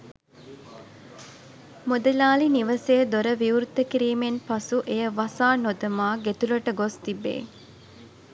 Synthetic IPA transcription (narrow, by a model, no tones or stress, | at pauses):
mod̪əlaːliniʋəsejəd̪oɾəʋiuɾt̪ːəkiɾiːmenpasuʔejəʋasaːnod̪ɐmaːɡet̪uləʈəɡost̪ibːḛː